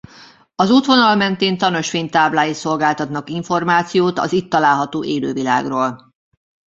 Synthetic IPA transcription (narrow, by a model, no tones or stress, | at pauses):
ɒzut̪ʋo̞nɒlmɛnt̪eːnt̪ɒno̞ʃfeːnt̪aːblaːjiso̞lɡaːlt̪ɒt̪nɒkiɱfo̞rmaːt̪sijoːt̪ɒ̰zit̪ːɒlaːlɦɒt̪oːʔeːlø̰ːvila̰ːɡroːl